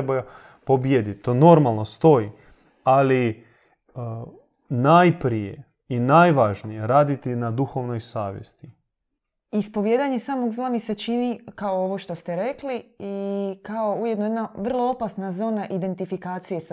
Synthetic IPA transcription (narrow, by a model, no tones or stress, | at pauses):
bajo | pobjed̪it̪t̪ːoːno̞ɾmalˠno̞st̪o̞ji | ali | najpɾije | inajʋaʒnijeɾaːd̪it̪inad̪uxo̞ʋnojsaːʋjḛst̪i | ispo̞ʋje̞ːd̪aɲe̞saːmo̞ɡzlˠamise̞t͡ʃinikao̞oʋoʃt̪o̞st̪e̞ɾe̞kliikao̞ujed̪nujed̪naʋr̩lˠo̞o̞pasnazo̞ːnaʔid̪e̞nt̪ifikaːt̪sije̞s